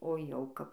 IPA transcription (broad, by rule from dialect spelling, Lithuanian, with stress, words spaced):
oː jɛʊˈkɐp